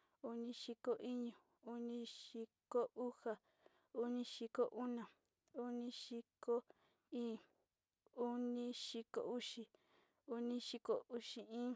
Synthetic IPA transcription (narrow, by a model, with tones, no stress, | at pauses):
u˧nĩ˧ʃi˧ko˧ʔi˦ɲũ˨ | u˦nĩ˦ʃi˧ko˦ʔu˦ha˨ | u˦nĩ˧ʃi˧ko˦ʔu˦nã˨ | u˦nĩ˧ʃi˧ko˦ | ĩ˦ | u˦nĩ˧ʃi˧ko̰˨u˦ʃi˧ | u˧nĩ˧ʃi˧ko˨u˧ʃi˧ĩː˦